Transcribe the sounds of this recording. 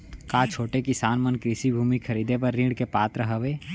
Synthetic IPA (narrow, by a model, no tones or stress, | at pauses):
kaːt͡ʃʰoːʈekɪsaːnmənkɾɪsibʱuːmikʰəɾiːd̪epəɾːĩːɖkepaːt̪ɾəɦəʋeː